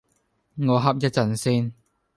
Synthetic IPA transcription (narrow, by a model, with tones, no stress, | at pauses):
ŋɔː˨˧ɦɐ˥p̚jɐ˥t̚t͡sɐ˨˩nsiː˥n